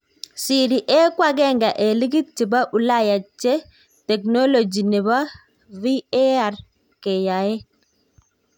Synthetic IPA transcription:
si˨ɾi˨ʔɛ˦kwa˦ɡɛ˦ŋɡa˨ʔe˨li˦ɡi˦t̚t͡ʃi˨ba˦ʔu˨la˦ja˨t͡ʃːɛ˦ | tɛ˨kno˦lo˨d͡ʒi˨nɛ˨ba˦ | vi˦e˦a˨ɾ | kɛ˨ja˨ɛ˦

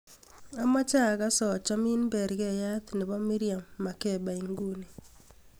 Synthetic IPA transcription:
a˦ma˦t͡ʃa˦˨ɡa˦sɔ˨t͡ʃɔ˦mi˦nbɛ˨ɾɡɛ˦˨ja˦t̪nɪ˨bɔ˦mi˦ɾija˨mːa˨kɛ˦˨ba˨i˨ŋɡu˦ni˨

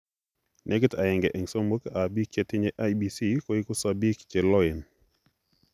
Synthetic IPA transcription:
nʔɛ˦ɡta˨ɛ˨ŋɡɛʔɛ˨ŋso˦mo˦kabi˦kt͡ʃetɪ˦ɲeʔa˦jbisi˦koi˦ku˦sabi˦kt͡ʃɛ˨lɔ˦i˨n

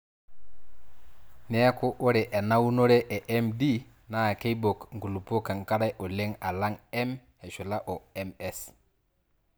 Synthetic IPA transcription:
ne˦a˦ku˦ʔo˦ɾɛ˨ʔe˨na˦wu˦no˦ɾe˦ʔe˨ʔe˦mdi˦ | na˦˨ke˦ibo˨kŋ˨ɡu˨lu˨po˦ka˨ŋka˦ɾa˦jʔo˨le˦ŋa˨la˦ŋɛ˦m | e˨ʃu˨la˦ʔo˨ɛ˦mɛ˦s

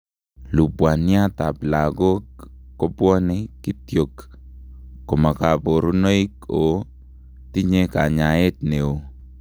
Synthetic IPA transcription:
lu˨pwa˨nja˦ta˨pla˨ɡo˦kːo˦pwɔ˦ne˦ki˦tjo˨kː | o˨ma˨ka˨po˨ɾu˦no˦i˦ko˨ | ti˦ɲe˦ka˨ɲa˨e˦tne˨o˨

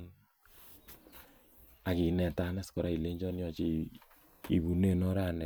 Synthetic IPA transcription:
a˨ki˨nɛ˨ta˨˦nɛ˦skɔ˨ɾa˦i˨le˦ɲd͡ʒɔ˦njɔ˦t͡ʃi˦ | i˨βu˨ne˦˨nɔ˦ɾa˦˨nɛ˨

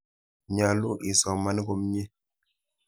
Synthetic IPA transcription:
ɲa˨lu˦ɗi˨sa˨wma˦ni˦ko˦mɲe˦

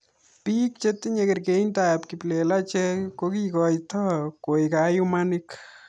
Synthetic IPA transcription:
pi˦k̚t͡ʃe˦t̪ɪ˦ɲe˧ke˨ɾke˨˦nta˨pki˨ple˨la˦t͡ʃe˦ko˦kikɔ˧jtɔ˦ko˨jka˨ju˦ma˦nɪ˦k

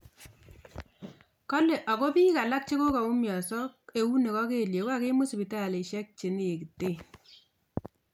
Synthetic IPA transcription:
kɔ˦le˨ʔa˨ko˦pi˦ka˨la˦k̚t͡ʃi˦ko˦ka˨u˦mjɔ˨sɔ˦k̚e˨wu˦ne˨kɔ˦ke˦˨lje˨ka˦ke˦mʊ˦sbi˨ta˦˨le˨ʃɛ˦k̚t͡ʃe˨n˦e˨ki˨te˦˨

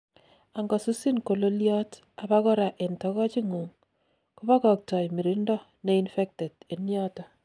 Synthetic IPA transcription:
a˨ŋɡɔ˨su˦si˦nko˨lo˦ljɔ˦t | a˨ba˦kɔ˦ɾa˨ʔe˨ntɔ˦kɔ˦t͡ʃi˦ŋu˨ŋ | ku˦ba˦kɔ˨k̚tɔ˨jmi˨ɾi˦ndɔ˦ | ne˦infɛ˦k̚tɛ˨te˨njɔ˦tɔ˨

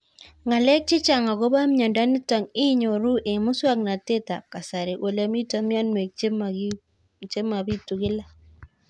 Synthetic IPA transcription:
ŋa˨lɛ˦k̚t͡ʃɪ˦t͡ʃa˨ŋa˨ɣo˦ba˦mɲa˨nda˦ni˦ta˨ŋi˦ɲo˨ɾu˦ʔe˨mʊ˦swa˦kna˨te˦ta̰˨ka˨sa˨ɾe˨ʔo˨lɛ˦mi˦ta˦mja˦nwe˨k | t͡ʃe˦ma˨βi˦tu˨ɣɪ˦la˦

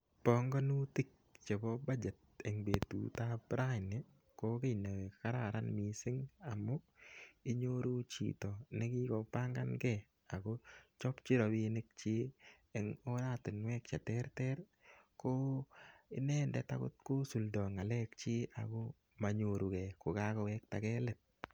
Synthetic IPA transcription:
pɔ˨ŋɡɔ˦nu˦ti˦k̚t͡ʃe˨bɔ˦ba˦d͡ʒe˨t̪̚ɛ˨ŋbe˨t̪ṵ˨ta˦bɾa˦ɪ˨nɪ˨ | ko˦ke˦na˨ke˨kka˦ɾa˨ɾa˦nmi˨sɪ˦ŋa˨mʊ˦k̚i˦ɲo˦ɾu˦t͡ʃḭ˨t̪ɔ˨ne˦kɪ˦kɔ˨pa˦ŋɡa˦nɡɛ | a˨ko˦t͡ʃɔ˦pt͡ʃi˦ɾɔ˨bi˦nɪk̚t͡ʃɪ˦ | ɛŋo˦ɾa˦tɪ˨nwɛ˦k̚t͡ʃa˨tɛ˦ɾtɛ˦ɾ | ko˦ | ɪ˦nɛː˦ndɛ̰˨ta̰˦kʊ̰˦tko˦su˨ldɔ˨ŋa˨lɛ˦k̚t͡ʃɪ˦a̰˨ko˦ | ma˨ɲo˨ɾu˨kɛ˨ko˨ka˦kɔ˨wɛk̚ta˨kɛ˦lɛ˨t̪̚

